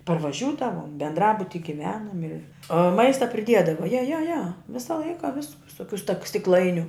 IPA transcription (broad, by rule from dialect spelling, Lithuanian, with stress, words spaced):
pɐrʋɐˈʒʲuːdɐʋoːm bʲɛndˈrɑːbʊtʲɪ ɡʲɪˈʋʲæːnoːm ɪ oː ˈmɐɪstɐ pʲrʲɪˈdʲiɛdɐʋɐ jɛ jɛ jɛ ˈʋʲɪsɐ ˈlˠɐɪkɐ ʋʲɪs ʋʲɪs ʋʲɪˈsoːkʲʊ stɐk sʲtʲɪkˈlˠɐɪnʲʊ